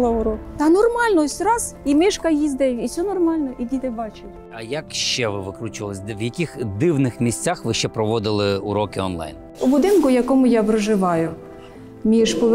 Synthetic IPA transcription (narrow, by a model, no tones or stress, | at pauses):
lˠɐʊɾɔkt̪ɑnɔrmɑlʲnɔsʲtʲɾɑzimɪʃkɐjizd̪ɛjisʲɔnɔrmɑlʲnɔʔidʲit̪ɪbɑt͡ʃɪtʲ | ɐjakʃt͡ʃɛʋɪʋɪkɾut͡ʃʊʋɐlˠɪsʲʋjɐkʲixd̪ɪwnɪxmʲisʲt͡sʲaxʋɪʃt͡ʃɛpɾɔʋɔd̪ɪlˠɪʊɾɔkɪɔ̰nlˠa̰jn | ʊbʊd̪ɪnkʊjɐkɔmʊjɑpɾɔʒɪʋɑjʊ | mʲiʃpɔʋ